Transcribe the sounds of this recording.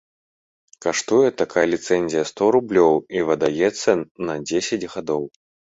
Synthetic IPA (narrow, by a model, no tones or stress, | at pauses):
kaʂt̪ujɛt̪akajɐlʲit̪sɛnʲzʲijɐst̪ɔɾublʲɔwivɐd̪ajɛt̪sːɐnɐd͡zʲesʲɐd͡zʲɣad̪ɔw